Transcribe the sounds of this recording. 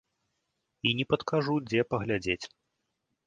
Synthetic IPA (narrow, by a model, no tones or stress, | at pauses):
inʲɛpɐt̪kaʐud͡zʲɛpɐɣlʲad͡zʲet͡sʲ